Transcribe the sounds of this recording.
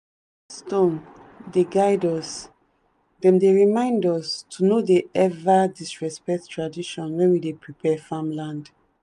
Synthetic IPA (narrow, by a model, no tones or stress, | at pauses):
stõndeɡaɪdɔs | dɛ̃mdeɹimãɪ̃ndɔstʰunodeɛvadisɹɛspɛk̚ttʰːɹadiʃɔ̃nwɛ̃nwidepɹipʰɛfãmlãnd